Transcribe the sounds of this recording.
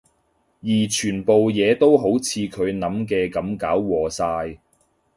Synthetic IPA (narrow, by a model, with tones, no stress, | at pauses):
jiː˨˩t͡ʃʰyː˨˩npo˨wjɛː˨˧t̪o˥wɦo˨˥wt͡sʰiː˨˧kʰɵ˨˧ɥnɐ˨˥mkɛː˧kɐ˨˥mkaː˨˥wːɔː˨˩saː˧j